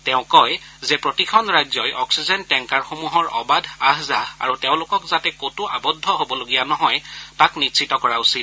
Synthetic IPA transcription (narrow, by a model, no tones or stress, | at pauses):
tɛʊ̃kɔj | zɛpɹotikʰɔnɹajzɔjʔɔksizɛntɛŋkaɹxomuɦɔɹɔ̰badʱaɦzaa̰ɹutɛʊ̃lʊkɔkzatɛkotʊʔabɔdʱːɔɦobɔloɡijanɔɦɔjtaknitsʰitɔkɔɹausit